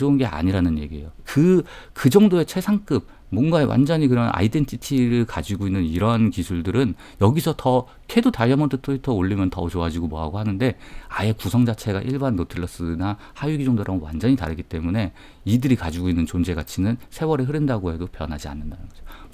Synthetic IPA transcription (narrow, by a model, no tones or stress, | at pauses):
ounɡe̞ʔa̰ɲiɾanɯnje̞̰ɡiḛjokɯkɯd͡ʑʌŋdoe̞t͡ɕʰe̞sʰaŋk͈ɯb̚ | mːwʌnɡaewʔa̰nd͡ʑʌɲikɯɾʌna̰ide̞ntʰitʰiɾɯɭkad͡ʑiɡoinːɯniɾʌnkisʰuɭdɯɾɯn | jʌɡisʰʌtʌ | kʰe̞dutaɭjʌmʌntʰɯtʰoitʰʌoɭːimjʌntʌt͡ɕoad͡ʑiɡomoɦaɡohanɯnde̞aje̞kusʰʌŋd͡ʑat͡ɕʰe̞ɡa̰ʔiɭbanːotʰɯɭːʌs͈ɯna | hajuɡid͡ʑʌŋdoɾaŋwa̰nd͡ʑʌɲita̰ɾɯɡit͈e̞mune̞ | idɯɾikad͡ʑiɡoinːɯnt͡ɕond͡ʑe̞ɡat͡ɕʰinɯnsʰe̞wʌɾeɦɯɾɯndaɡoɦe̞dopjʌnɦad͡ʑia̰nːɯndanɯnɡʌd͡ʑo